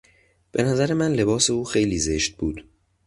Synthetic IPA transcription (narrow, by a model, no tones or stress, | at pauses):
b̥e̞næzæɾe̞mænle̞bɒːse̞uːxe̞jliːze̞ʃt̪̚buːd̪̥